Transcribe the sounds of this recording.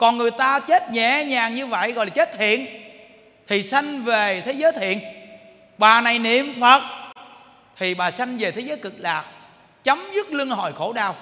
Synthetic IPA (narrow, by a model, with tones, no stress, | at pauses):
kɔ˨˩nŋɨ˨˩əjt̪aː˧t͡ɕe˦˥t̚ɲɛ̰˧˨ɲaː˨˩ŋɲɨ˧və̰˧˨jɣɔ̰˧˨laː˨˩t͡ɕe˦˥t̚t̪ʰḭ˧˨ən | t̪ʰi˨˩sa˧jŋ̟ve˨˩t̪ʰe˨˦zəː˨˦jt̪ʰḭ˧˨ən | ɓaː˨˩na˨˩jnḭ˧˨əmfə˨˩t̚ | t̪ʰi˨˩ɓaː˨˩sa˧jŋ̟ve˨˩t̪ʰe˨˦zəː˨˦jkɨ˨˩k̚laː˨˩k̚ | t͡ɕə˨˦wmzɨ˦˥k̚lɨ˧əŋɦɔ̰˧˨jxo˧˩ɗaː˧˩w